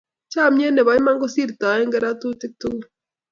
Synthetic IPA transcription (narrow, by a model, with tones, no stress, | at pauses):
t͡ʃa˦˨mje˦ne˨βa˨˦ma˦ŋɡo˦si˦ɾi˨ta˨e˦ŋɡɛ˦ɾa˦tu˦ti˦k̚tu˦ŋ˦